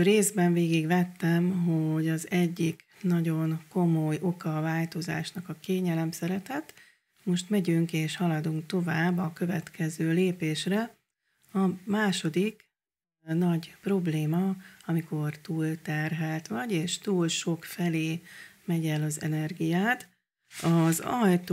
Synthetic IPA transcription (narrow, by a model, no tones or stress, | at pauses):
reːzbɛɱveːɡiɡʋɛt̪ːɛmɦo̞ɟɒzɛɟːiknɒɟo̞nko̞mojo̞kɒvaːlt̪o̞za̰ːʃnɒkɒkeːɲɛlɛmsɛɾɛt̪ɛt̪ | mo̞ʃt̪mɛɟyŋkeːʃhɒlɒd̪uŋkt̪o̞vaːbːɒkø̞vɛt̪kʰɛzøːleːpeːʃrɛ | ɒmaːʃo̞d̪ik | nɒɟpro̞bleːmɒɒmiko̞rt̪uːlt̪ɛrɦɛlt̪ʋɒɟeːʃt̪uːlʃo̞kfɛleːmɛɟɛlɒzɛ̰nɛrɡijaːt̪ | ɒzɒjt̪